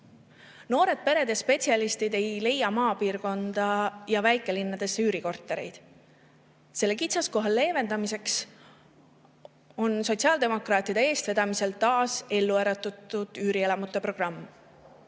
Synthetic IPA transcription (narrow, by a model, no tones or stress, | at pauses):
no̞ːɾe̞d̪̥̚pe̞ɾe̞d̪̥jɑspe̞t̪siɑlist̪id̪e̞jle̞jɑmɑːpiːɾko̞nd̪̥ɑjɑvæjkˑe̞linːɑd̪̥e̞sːeyːɾiko̞rt̪ːˑe̞ɾḛjd̪̥ | se̞lːe̞kit̪sɑsko̞ɦɑlːe̞ːve̞nd̪ɑmise̞ks | o̞nso̞t̪ʲsiɑld̪e̞mo̞krɑːt̪ːˑid̪̥e̞e̞ːst̪ve̞d̪̥ɑmise̞lt̪ɑːse̞lːuæɾɑt̪ːˑut̪ːud̪̥yːɾielɑmut̪ːˑe̞pro̞ɡ̥rɑmː